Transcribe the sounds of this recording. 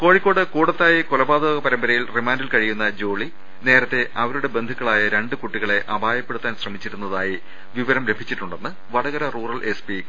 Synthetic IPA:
ko̞ːɻikʲːo̞ːɽɨkuːɽɐt̪ːaːjɐkolɐbaːd̪oːɣɐpɐɾɐmbɐɾɐjilrimaːndilkɐɻijunːɐd͡ʑo̞ːɭi | ne̞ːɾɐt̪ːe̞ɐʋɐɾuɽe̞be̞nd̪ʱukːɐɭaːjɐɾe̞ɳɖɨkuʈːiɣɐɭe̞ʔɐbʱaːjɐpːeɽut̪ːaːnɕrɐmit͡ɕːiɾunːɐðaːji | ʋiʋɐɾɐmɾe̞bʱit͡ɕːiʈːuɳɖe̞nːɨ | ʋɐɽɐɣɐɾɐruːrɐlʔespi

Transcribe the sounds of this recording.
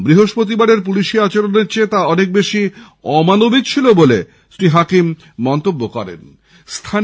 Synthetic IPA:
bɾiɦoʃpɾot̪̬ibaɖeɾp̬uliʃeat͡ɕaɾoneɾt͡ɕet̪aɔnek̚beʃi | ɔmanobid̪t͡ɕʰilobole | ʃɾiɦakimː | ɔnt̪obːokɔɾḛn | st̪ʰa

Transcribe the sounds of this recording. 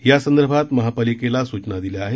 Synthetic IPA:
jasənd̪əɾbʱat̪məɦapalikelasut͡ʃnad̪ileaɦe

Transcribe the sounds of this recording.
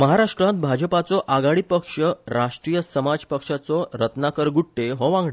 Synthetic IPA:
məɦaɾaʂʈɾãt̪̚bʱad͡ʑəpat͡sɔʔaɡaɽiːpəkʂəɾaʂʈɾijəsəmad͡zpəkʂat͡sɔɾət̪nakəɾɡuʈʈeɦɔʋãŋɡɭe

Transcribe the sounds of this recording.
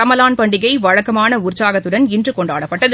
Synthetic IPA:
ɐmɐlaːnpɐɳɖɪɣɐɪʋɐɻɐkːɐmaːnɐʊɾt͡ʃaːɣɐt̪ːɯɽɐnɪndrɯkɔɳɖa̰ːɽɐpːɐʈːɐð

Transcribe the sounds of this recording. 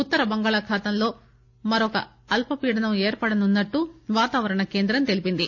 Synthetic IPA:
ut̪ːɐɾɐbɐŋɡaːɭɐkʰaːt̪ɐmlo̞ː | mɐɾɔkɐ̰ | ɐlpɐpiːɽɐnɐmeːɾpɐɽɐnunːɐʈːuʋaːt̪aːʋɐɾɐɳɐkeːnd̪ɾɐmt̪e̞lipind̪i

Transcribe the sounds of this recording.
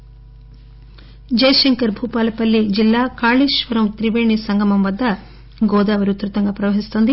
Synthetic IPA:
d͡ʒɐjɐʃɐŋkɐɾbʱuːpaːlɐpɐlːid͡ʒilːaːkaːɭiːʃʋɐɾɐmt̪ɾiʋeːɳisɐŋɡɐmɐmʋɐd̪ːɐ | ɡɔːd̪aːʋɐɾut̪ɾut̪ɐŋɡaːpɾɐʋɐɦist̪ond̪i

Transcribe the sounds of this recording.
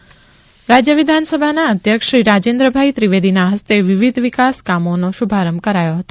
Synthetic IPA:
ɾad͡ʒjəʋid̪ʱansəbʱanaəd̪ʱjəkʃɾiɾad͡ʒend̪ɾəbʱait̪ɾiʋed̪inaɦəst̪eʋiʋid̪ʱʋikaskamonoʃubʱaɾəmkəɾajoɦət̪o

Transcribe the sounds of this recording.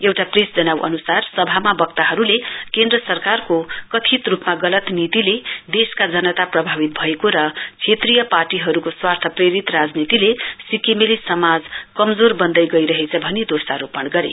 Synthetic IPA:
ewʈapresd͡zʌnawʔʌ̰nusarsʌbʱamabʌk̚t̪aɦʌɾulekend̪rʌsʌrkarkokʌt̪ʰit̪rupmaɡʌlʌt̪nit̪iled̪eskad͡zʌnʌt̪aprʌbʱabit̪̚bʱʌekoɾʌkʰet̪rijʌparʈiɦʌɾukoswart̪ʰʌpreɾit̪rad͡znit̪ilesikemelisʌmad͡zkʌmd͡zorbʌnd̪ʌjɡʌijɾʌɦet͡sʰʌbʱʌnid̪osaɾupʌɳɡʌɾḛ

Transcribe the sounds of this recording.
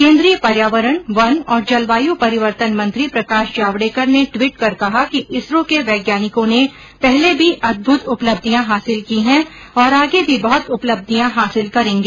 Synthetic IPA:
kẽːnd̪ɾijəpɐɾjaːʋəɾəɽ̃ʋɐnɔːɾd͡ʒɐlʋaːjupɐɾɪʋəɾt̪ənmɐ̃nt̪ɾipɾɐkaːʃd͡ʒaːʋɽeːkəɾneʈwiːʈkɐɾkɐɦakiʔɪsɾõkeʋɛːɡjaːnɪkõne | pɛɦlebʱiʔɐd̪̚bʱʊt̪ʊpləbd̪ʱijãɦaːsɪlkiɦɛ̃ | ɔːɾaːɡebʱibɐɦʊt̪ʊpləb̚d̪ʱijãɦaːsɪlkɐɾẽːŋɡeː

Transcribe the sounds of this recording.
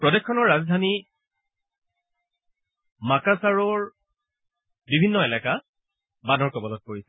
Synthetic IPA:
pɹɔdɛkʰːɔnɔɹːazdʱani | makasaɹɔɹ | bibʱinːɔɛlaka | banɔɹkɔbɔlɔt̚koɹisɛ

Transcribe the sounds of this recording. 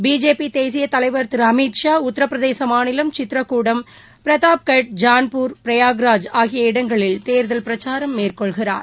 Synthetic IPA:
biːd͡ʒeːpit̪eːsɪjɐt̪ɐlɐɪʋɐɾt̪ɪɾɐmit̪ʂaːʊt̪ːɐɾɐpːɾɐðeːsɐmaːnɪlɐmt͡ʃɪt̪ːɪɾɐkːuːɽɐm | pɪɾɐðaːp̚kɐʈ̚d͡ʒaːnpuːɾpɾɐjaːɡɾaːd͡ʒaːɣɪjɐɪɽɐŋɡɐɭɪlt̪eːɾðɐlpɪɾɐt͡ʃaːɾɐmːeːrkɔɭɣɪra̰ːɾ

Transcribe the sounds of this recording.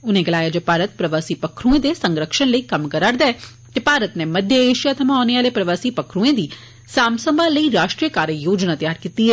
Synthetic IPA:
ʊnẽːɡəlaːjaːd͡ʒoːpaːɾət̪̚pɾəʋaːsiːpəkʰɾuẽːd̪esə̃ŋɡɾəkʃənləiːkəmkəɾaɾd̪aːɛː | t̪eːpaːɾət̪neːməd̪ʱjaeːʃijaːt̪ʰɐmãːɔːneːaːlepɾəʋaːsiːpəkʰɾũẽːd̪iː | saːmsəmbãːləiːɾaːʃʈɾijəkaːɾjəjoːd͡ʒnaːt̪jaːɾkiːt̪iɦɛː

